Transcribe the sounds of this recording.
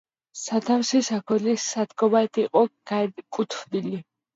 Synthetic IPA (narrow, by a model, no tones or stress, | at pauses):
sat̪ʰafsisakʰɔlisat̪ɡɔbaɛt̪ʰiqʼɔɡakʼut̪ʰfd̪ili